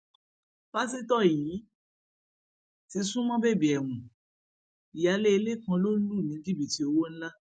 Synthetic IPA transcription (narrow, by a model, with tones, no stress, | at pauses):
b̥a˦s̬i˦tɔ˦˨ji˨˦ | ti˧sũ˦mɔ̃˦be˦˨bi˨ɛ˨w̃ũ˨ | i˨ja˨˧le˦i˧le˦˨kã˧lo˦lu˦˨nĩ˨˦ɡi˦bi˦˨ti˧˦o˧wo˦ñ̩˦la˦